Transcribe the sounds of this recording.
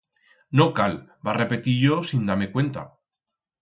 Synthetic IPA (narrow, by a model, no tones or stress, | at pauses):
nokalbare̞pe̞t̪iʝo̞sind̪aɾme̞kwe̞nt̪a̰